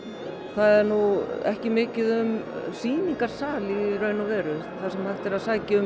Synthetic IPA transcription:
θaðɛɾnuɛhcɪmɪːcɪðʏmsiːniŋkaɾ̥saːlirœːɥnavɛːɾʏ | θasɛmhajht̪ɪɾaðsaːcɪʏm

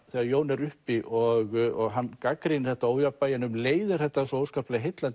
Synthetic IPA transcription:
θɛɣaðjoːwnɛɾʏhpiʔɔɣɔɣɦanːkakɾɪnɪθɛht̪aoːwjapːajɪnʏmleːjðɪɾ̥θɛht̪ːasɔoːwskaplɛɣaɦejt̪lant̪

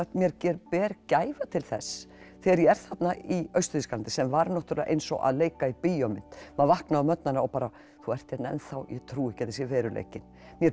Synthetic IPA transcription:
t̪mjɛɾcɛːɾpɛːɾcaːjvat̪ʰɪlθɛs | θɛɣaɾjɛɛɾ̥θat̪naiœɥst̪ʏ̥ɾθiskalant̪ɪsɛmvaɾnɔht̪ɾlɛaʔḛjnsɔ̰ɣa̰ðleːjkaipijɔmɪn̥t̪maðvahknaʏmœt̪nanaɔwpaːɾa | θuɛr̥t̪jɛt̪nɛ̰nθawjɛt̪ʰɾuːɪhcːat̪ːɪsjɛvɛːɾʏlḛjcɪn | mjɛ

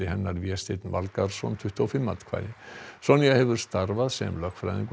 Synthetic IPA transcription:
ɪɦɛnːaɾvjɛst̪ejt̪nvalkaɾ̥sɔ̰nt̪ʰʏht̪uawfɪmːant̪kʰa̰jðɪsɔnːiɣahɛvʏɾ̥st̪aɾvaðsɛ̰mlœxkfɾa̰jðḭŋk

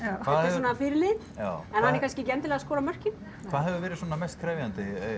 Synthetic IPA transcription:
vaɛːðhaɛssɔnafɪɾlɪ | jaːwɛnhanɛɾkʰanscɪcɛnt̪ɪlɛɣaskɔːɾamœr̥cɪ | vaðɦɛvʏvɛːɾɪsɔːnamɛjst̪̚kʰɾɛːvjant̪ɪ

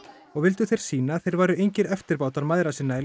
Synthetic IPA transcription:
ɔɣvɪlt̪ʏθejɾ̥siːnaθejɾvaːɾʏejɲcɪɾœft̪ɪɾpaːwt̪aɾmaðɾasɪnːaɛ

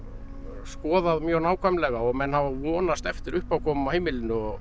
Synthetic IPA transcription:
skɔːðaðmjœːɣɾnaːwkʰajmlɛɣaɔɣmɛnhavavɔːnast̪ɛft̪ɪɾʏhpawkʰɔːmʏmawheːjmɪlɪnːʏɔɣ

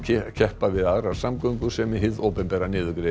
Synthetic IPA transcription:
cʰɛhpavɪðaðɾaɾ̥samkœŋkʏsɛmɪɦɪðowpɛmpɛːɾanɪːðʏkɾɪ

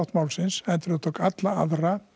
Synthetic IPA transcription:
ht̪mawlsɪnsɛnt̪ɾʏðt̪ʰowkat̪laa̰ðra

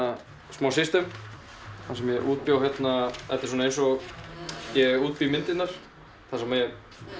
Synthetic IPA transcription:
a | smawsɪst̪ɛm | θasɛmjɛʔuːt̪̚pjawçjɛt̪naɛft̪ɪsɔnaejnsɔɣ | jɛɣuːt̪̚pimɪnt̪ɪt̪naɾ̥ | θasɛmajɛ

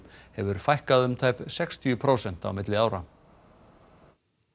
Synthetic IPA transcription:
hɛvʏɾ̥fajhkaðʏmt̪ʰaːjpsɛkst̪ʰiʏpʰɾoːwsɛn̥t̪a̰wmɪt̪lɪaːwɾa

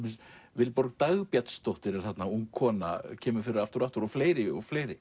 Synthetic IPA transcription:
mɪsvɪlpɔɾkt̪aɣpjat̪st̪owht̪ɪɾɛɾ̥θat̪nauŋkʰɔːna̰cʰɛːmʏɾfɪɾɪɾaft̪ʏɾaft̪ʏɾɔfleːjɾɪɔɣfleːjɾɪ

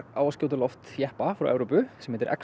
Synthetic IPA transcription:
a̰wascoːwt̪̬ʏlɔft̪jɛhpafɾa̰wʔɛ̰wɾowpʏsɛmhɛːt̪ɪɾʔɛ̰k

